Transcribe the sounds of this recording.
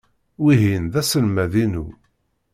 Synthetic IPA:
wiɦinðæsəlmæðinu

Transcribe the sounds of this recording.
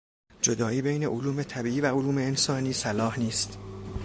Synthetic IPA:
d͡ʒod̪ɒːiːbejne̞ʔoluːme̞t̪ʰæbiːʔiːvæoluːmeːnsɒːniːsælɒːhniːst̪

